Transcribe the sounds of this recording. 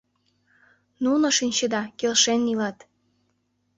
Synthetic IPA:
nunŏʃinʲt͡ɕəd̪ɑkelʃenːilɑt̪

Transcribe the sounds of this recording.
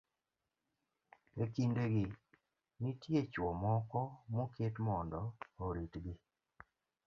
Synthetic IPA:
ekindeɡɪ | nitjet͡ʃwɔmɔkɔmoketmɔndɔoɾitɡɪ

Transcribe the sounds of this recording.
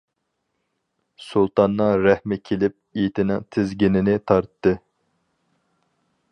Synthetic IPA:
sulˠt̪ʰɑnːɨŋɾɛhmɛkʲʰelɪp̚it̪ʰɪnɪŋt̪ʰɪzɡʲinɪnɪt̪ʰɑɾt̪ːɨ

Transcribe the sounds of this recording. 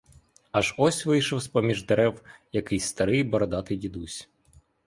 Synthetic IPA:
ɐʒɔsʲʋɪjʃɔwsʲpɔmʲiʒd̪eɾɛwjɐkɪjst̪ɐɾɪjbɔɾɔd̪ɑt̪ɪjdʲid̪usʲ

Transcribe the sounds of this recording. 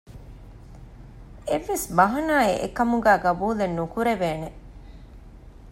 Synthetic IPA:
eʋːesbɐɦɐnaːiʔḛkɐmuɡæːɡɐbuːlenːukuɾeʋeːne

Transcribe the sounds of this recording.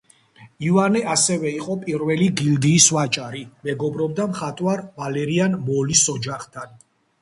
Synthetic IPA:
ivanɛasɛvɛiqʼɔpʼiɾvɛliɡild̪iːswat͡ʃʼaɾimɛɡɔbɾɔbd̪amχat̪ʼwaɾvalɛɾianmɔlisɔd͡ʒaχt̪ʰan

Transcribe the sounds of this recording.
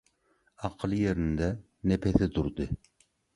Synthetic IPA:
ɑqʰəlˠjeɾɪnɪd̪ɛ | nepʰɛθɪd̪uɾd̪ɨ

